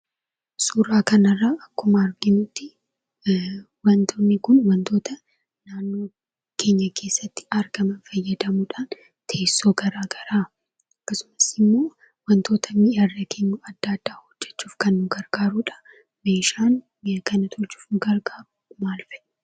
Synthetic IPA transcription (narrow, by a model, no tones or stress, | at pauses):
suːɾaːkɐnɐrːaːʔɐkːʊmɐːɾɡɪnʊt̪ːɪ | wɐnt̪ʰonːɪkʊnwɐnt̪o̞ːt̪ɐ | naːnːoː | kʰe̞ːɲːɐke̞ːsːɐt̪ːɪ̥ɐɾɡɐmɐnfɐjːɐd̪ɐmuᶑaːn | t̪ʰe̞ːsːo̞ːɡɐɾaːɡɐɾaː | ɐkːɐsʊ̥mɐsɪmːo̞ː | wɐnt̪ʰo̞ːt̪ʰɐmɪʔɐrːɐkʰeːɲːʊɐd̪̥ːad̪ːaːhɔd͡ʒːɛ̥t͡ʃːuːfkɐnːʊɡɐɾɡ̥aːɾuːᶑɐ̥ | me̞ːʃaːn | mɪɐkɐnɐt̪ʰɔlt͡ʃu̥ːfnʊɡɐɾɡaːɾʊmaːlfɛʔ